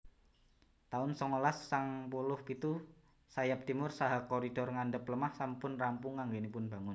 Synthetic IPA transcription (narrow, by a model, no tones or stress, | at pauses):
t̪aʊnsɔŋolasːaŋpulʊhkit̪u | sajap̚t̪imʊrsaɦakoɾid̥ɔrŋandəpləmahsampʊnrampʊŋːaŋɡenipʊnb̥a̤ŋʊn